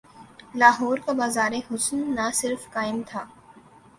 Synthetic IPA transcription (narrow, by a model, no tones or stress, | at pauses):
laːɦɔːɾkabaːzaːɾeɦʊsnːasɪɾfkaːɪmt̪ʰaː